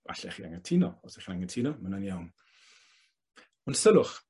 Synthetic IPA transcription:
va̰ɬɛ̰χia̰ŋətʰinɔɔsɛχnaŋətʰinɔmənaniawn | ɔnsəlʊχ

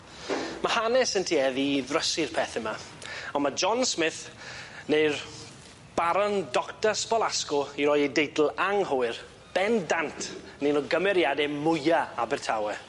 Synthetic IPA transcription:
mahanɛsəntʰiɛðiðrəsɨrpʰɛːθɪma | ɔnmad͡ʒɔnsmɪθnejr | b̥aɾɔndɔktaspɔlˠaskɔiɾɔjejdejdl̩ˠaŋhɔɨr | b̥ɛndantʰnenɔɡəmɛɾjadɛmʊjaabɛrtʰawɛ

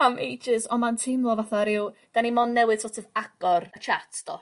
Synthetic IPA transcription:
amejd͡ʒɪzɔmantʰɪmlˠɔvaθaɾɪwd̥animɔnnːɛwɨð̥tsɔtʰɔvaɡ̥ɔrət͡ʃʰatʰd̥ɔ

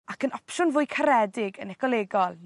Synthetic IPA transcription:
akənɔpʃʊnvʊːjkʰaɾɛdɪɡənɛkʰɔlˠeɡɔlˠ

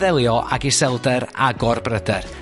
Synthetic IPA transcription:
ðɛlˠjɔʔa̰ɡɪsɛlˠdɛɾaɡɔrbrədɛr

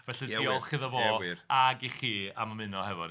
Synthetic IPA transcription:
vɛɬɨdiɔlˠχɨðəvoaɡiχiːa̰mamɨnɔhɛvɔɾ

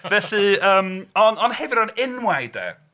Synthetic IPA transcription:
vɛɬɨəːmɔnɔnhɛvɪɾɔnɪnwajdɛ̰

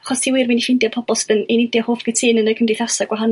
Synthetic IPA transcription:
aχɔstʰiːwirminiʃɪndjapʰɔbɔlˠsdənenɪndjahoːfɡ̥ətʰɪnənəkʰəmdriθasaɡwaɦan

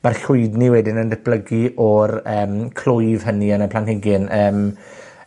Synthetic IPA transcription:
marɬwʊɨdniwɛdɪnəndɛθ̚b̥ləɡiʔɔrəːmkʰlʊjvɦəniənəpʰlanɦɪɡɪnʔəːm

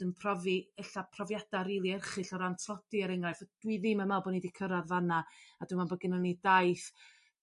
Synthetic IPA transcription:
ənpʰrɔviɛɬapʰrɔvjad̥aɾiːlˠiɛrχɨɬɔɾantʰlˠɔd̥iəɾɛŋrajfɔd̥wiðɪmamabɔnidikʰəɾaðvanaadwɨmanbəɡɪnənidajθ

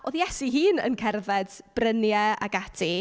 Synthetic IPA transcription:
oðjɛsiɦiːnə̰nkʰɛrvɛd̥b̥rənjɛa̰ɡatʰi

